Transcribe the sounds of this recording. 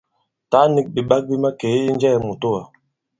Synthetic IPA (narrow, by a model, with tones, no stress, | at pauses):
ta˨˦ni˦k̚bi˨ɓa˦k̚bi˦ma˦keː˨˦i˦n˦d͡ʒɛ˦˨mu˨to˦˨a˨